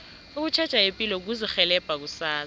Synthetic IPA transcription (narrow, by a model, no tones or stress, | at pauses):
uk̬ut͡ʃʰɛd̥t͡ʃʼaepʼilɔk̬uzixɛlɛb̥ʱak̬usaː